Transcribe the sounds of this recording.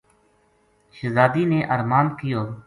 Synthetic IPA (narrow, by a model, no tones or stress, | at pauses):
ʃəzaːd̪iːneːʔəɾmaːnkɪjoː